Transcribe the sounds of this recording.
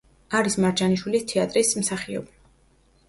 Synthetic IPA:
aɾismaɾd͡ʒaniʃwilist̪ʰɛat̪ʼɾismsaχiɔ̰bi

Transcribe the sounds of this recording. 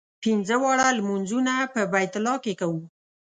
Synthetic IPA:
pinzəwɑɽalmunzunapəbajt̪ɪlɑkekawu

